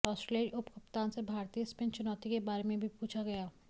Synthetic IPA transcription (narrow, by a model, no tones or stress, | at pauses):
ɔːsʈɾeləɾʊpkɐpt̪aːnsebʱaːɾt̪ijəspẽnt͡ʃʊnɔːt̪ikebaːɾemẽbʱipuːt͡ʃʰaɡɐjaː